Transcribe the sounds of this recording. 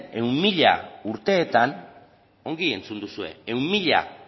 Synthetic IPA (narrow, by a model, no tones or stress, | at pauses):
e̞ummiʎa̰uɾt̪e̞ːt̪an | o̞ŋɡie̞nt͡sund̪usue̞̰eummiʎa̰